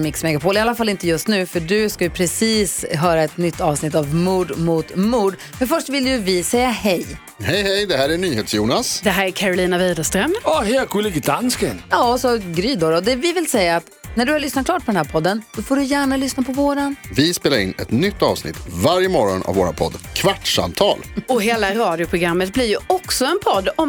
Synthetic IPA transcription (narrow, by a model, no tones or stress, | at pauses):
mɪksmɛɡapʰoːlɪalːafalːɪnt̪əjɵst̪nʉ̟ːfœɖɵskajɵpʰɾɛsiːsɦœːɾaɛt̪nʏt̪ʰːɑːvsnɪt̪ːavmuːɖmut̪muːɖ | mɛnfœʂʈvɪlːjɵvɪsɛjːahɛj | hɛjhɛjd̪ɛɦæːɾæɳyːheːt̪sjuːnasd̪ɛɦæːɾækʰæɾʊliːnaviːd̪ast̪ɾœmɑhɛjakʰulɪɡɪd̪anskɪ̰njɑːsɔɡɾyːd̪ɔɾɔd̪ɛvɪvɪlsɛjːaːt̪næɖɵhaɭʏsnat̪̚klɑːʈ̚pʰɔd̪ɛnhæːɾpʰɔd̪ːənsɔfoːɖɵjæːɳalʏsnapʰɔvoːɾanvɪspeːlaɾɪ̰nɛt̪nʏt̪ːɑ̰ːvsnɪ̰t̪vaɾjəmɔɾɔna̰vːoːɾa̰npʰɔ̰d̪ːkʰvaʈʂa̰mt̪ʰɑ̰ːlɔɦeːlaɾɑːd̪ɪʊpʰɾʊɡɾamːət̪̚blɪɾjɵɔksɔɛnpʰɔd̪ːɔm